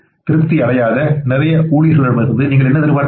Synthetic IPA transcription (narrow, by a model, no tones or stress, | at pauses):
t̪ɪɾɯt̪ːiɐɽɐjaːðɐnɪɾɐjɐuːɭɪjɐsɐɭɐɾɯmɐɾɯnðɯniːŋɡɐɭɛnːɐðɐɾɯʋaːn